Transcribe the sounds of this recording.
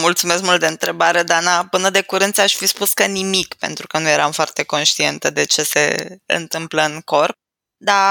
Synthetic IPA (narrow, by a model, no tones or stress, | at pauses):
mult̪sume̞skmult̪d̪eɨnt̪ɾe̞baɾe̞d̪anapɨnəd̪e̞kuɾɨnt̪saʃʲfispuskənimikpe̞nt̪ɾukənuje̞ɾamfoart̪e̞ko̞nʃt̪ie̞nt̪əd̪e̞t͡ʃe̞se̞̰ɨ̰nt̪ɨmpləɨŋko̞rp̚ | d̪a